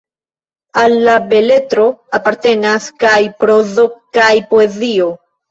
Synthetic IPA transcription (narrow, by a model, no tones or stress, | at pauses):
alːabe̞le̞tɾo̞apaɾte̞naskajpɾozo̞kajpoezio̞